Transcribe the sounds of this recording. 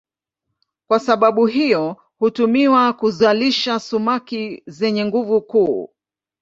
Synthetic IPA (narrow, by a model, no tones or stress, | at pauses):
kwasaɓaɓuɦijɔ | hutumiwakuzaliʃasumakizɛɲɛŋɡuvukuː